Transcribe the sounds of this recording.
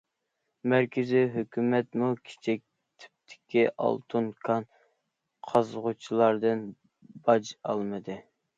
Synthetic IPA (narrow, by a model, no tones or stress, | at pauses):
mæɾkʲʰɪziɦøkʲymɛt̪mukʲʰe̥t͡ʃʰɛk̚ʲ | t̪ʰɪ̥p̚t̪ʰɪ̥kʲiʔɑ̰lˠt̪ʰunkʰɑn | qʰɑzʁut͡ʃʰilˠɑɾd̪ɨn | bɑd͡ʒɑ̰lˠmɨd̪ɨ